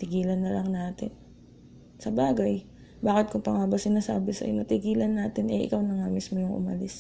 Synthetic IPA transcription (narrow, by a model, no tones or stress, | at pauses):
t̪ɪɡiːlɐnːɐlɐŋnaːt̪ɪn | sɐbaːɡɐj | baːkɪt̪̚kʊŋpɐŋabɐsɪnaːsaːbɪsɐ̰ʔonɐt̪ɪɡiːlɐnːaːt̪ɪnɐjʔɪ̰kawnɐŋamismojʊŋʔʊ̰mɐlɪs